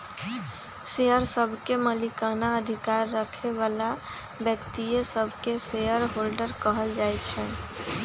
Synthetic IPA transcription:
sejəɾsəbʱkeməlikanaəd̪ʱikaɾːəkʰeʋala | bjəkt̪ijesəbʱkesejəɾɦolɖəɾkəɦəld͡ʒajt͡ʃʰɛ

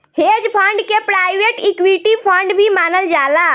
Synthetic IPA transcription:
hed͡ʒpʰəɳɖkepɾajʋeʈikʋiʈipʰə̃ɳɖbʱimaːnəld͡ʒaːla

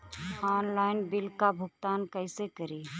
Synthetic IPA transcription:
ɔːnlaːɪnbɪlkabʱʊɡ̚t̪aːnkəɪsekəɾiː

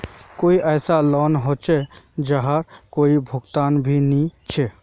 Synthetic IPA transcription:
koiʔəɪsalɔnɦot͡ʃed͡ʒəɦəɾkoːibʱʊɡt̪aːnbʱinit͡ʃʰe

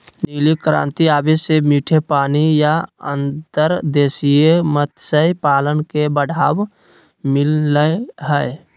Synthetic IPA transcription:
niːlikɾã̰ːnt̪iaːbesemiːʈʰepaːnijaə̰nt̪əɾd̪eːsijəmət̪ʰsəipaːlənkebəɽʱaːb | mɪləɦəj

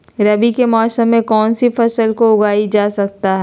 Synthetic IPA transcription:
ɾɐbikemɔːsəmːẽkɔːnsifɐsəlkoʊɡaːid͡ʒaːsɐk̚t̪aɦɛ

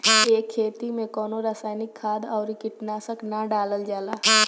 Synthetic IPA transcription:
eːkʰːeːt̪imẽkɔːnoɾaːsaːɪnɪkʰːaːd̪ɔːɾikɪʈnaːsəknaɖaːləld͡ʒaːlaː

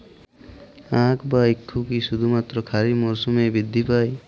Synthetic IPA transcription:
ãkbaikʰːukiʃud̪ʱumat̪ːɾɔkʰaɾimɔɾsumebid̪ʱːipaj

